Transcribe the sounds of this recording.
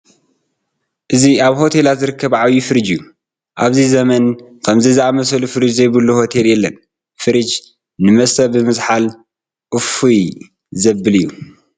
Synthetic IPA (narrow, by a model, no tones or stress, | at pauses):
ʔɨziaβho̞t̪ʰe̞lat̪zɨɾɨkʰːɐβʕaβjifɨɾɨd͡ʒju | ʔaβzizɐmɐnkʰɐmzɐzɨʔamɐsɐlufɨɾɨd͡ʒzɐjbɨlːuho̞t̪ʰe̞ljɛlːɐn | fɨɾɨd͡ʒ | nːɨmɐsɐbɨmɨzħal | ʔʼɨfuj | zɐbɨlɨjːu